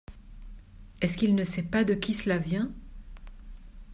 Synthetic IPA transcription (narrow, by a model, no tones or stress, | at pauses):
ɛskilnəsɛpad̪əkʲisəlavjɛ̃